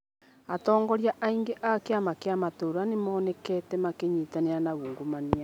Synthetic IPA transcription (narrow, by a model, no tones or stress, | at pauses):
atɔːŋɡɔɾjaʔaiŋɡeʔakeamakeamatoɾoanemɔːnɛkɛːtɛmakeɲiːtaneɾanaɣuːŋɡomania